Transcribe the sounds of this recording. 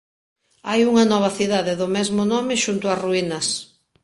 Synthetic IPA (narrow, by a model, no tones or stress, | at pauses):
ajuŋɐnɔβ̞ɐθiðaðeðʊmɛzmʊnɔmɪʃunt̪ʊɐsruinɐs